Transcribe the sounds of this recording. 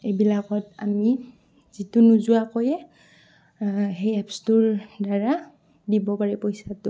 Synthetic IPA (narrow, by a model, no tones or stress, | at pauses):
ebilakɔta̰mi | z̥itʊnuzuakojɛ | ɦejapstʊɹdaɹa | dibɔpaɹɛpojsatʊ